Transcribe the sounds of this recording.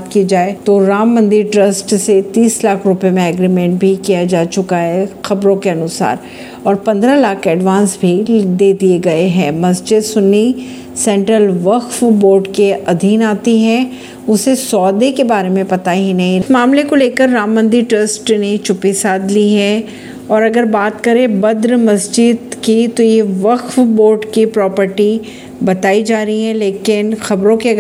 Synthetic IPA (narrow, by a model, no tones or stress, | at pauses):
t̪kid͡ʒaːet̪oɾaːmːɐ̃nd̪iɾʈɾəsʈset̪iːslaːkʰɾʊpemẽɛɡɾimɛ̃ɳʈ̚bʱikijad͡ʒaːt͡ʃʊkaɦɛxɐbɾõkeɐnʊsa̰ːɾ | ɔːɾpɐ̃nd̪ɾalaːkɛːɖʋãːnsbʱid̪eːd̪ieɡɐeɦɛ̃ːmɐsd͡ʒed̪sʊni | sɛ̃ɳʈɾəlʋɐqfboːɾɖkeʔɐd̪ʱiːnaːt̪iɦɛ̃ː | ʊsesɔːd̪ekebaːɾemẽpɐt̪aɦinɐɦĩmaːmlekoleːkəɾːaːmːə̃nd̪iʈɐsʈnet͡ʃʊpisaːd̪liɦɛ̃ | ɔːɾɐɡəɾbaːt̪kɐɾẽbɐd̪ɾmɐsd͡ʒɪd̪kit̪ojeʋɐkfboːɾɖkipɾɔːpəɾʈi | bɐt̪aːid͡ʒaːɾəɦiɦɛ̃leːkɪnxɐbɾõkeɐɡ